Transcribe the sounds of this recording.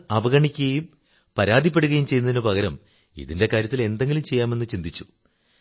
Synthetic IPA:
ɐbɐɣɐɳikʲːuɣɐjum | pɐɾaːd̪ʱipːeɽuɣɐjumt͡ɕe̞jːnɐðinɐpɐɣɐɾɐm | ḭðinde̞kaːɾjɐt̪ːile̞nd̪e̞ŋɡʲilumt͡ɕe̞jːaːme̞nːɨt͡ɕind̪it͡ɕːu̥

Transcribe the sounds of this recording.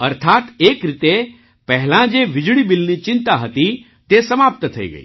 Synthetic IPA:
əɾt̪ʰat̪ekɾit̪e | pəɦlãd͡ʒeʋɪd͡ʒɭibilnit͡ʃɪ̃nt̪aɦət̪i | t̪esəmap̚t̪t̪ʰəḭɡə̰ḭ

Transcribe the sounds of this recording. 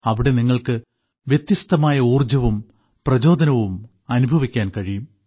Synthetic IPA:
ɐʋiɽe̞niŋːɐɭkɨ | ʋjet̪jɐst̪ɐmaːjɐuːrd͡ʑɐʋum | prɐd͡ʑo̞ːd̪ʱɐnɐʋum | ɐnubʱɐʋikʲːaːnkɐɻijum

